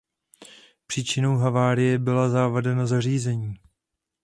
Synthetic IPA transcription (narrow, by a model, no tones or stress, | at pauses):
pr̥iːt͡ʃɪno̞wɦavaːɾɪjɛbɪlazaːvadɛnazariːzɛɲiː